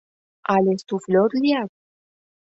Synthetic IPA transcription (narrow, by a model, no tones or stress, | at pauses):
alest̪ufloɾliat